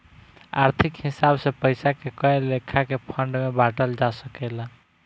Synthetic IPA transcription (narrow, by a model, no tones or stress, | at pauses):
a̰ɾt̪ʰikhisabsepəjsakekəelːekʰːakepʰəɳɖmebaʈəld͡ʒasəkɛla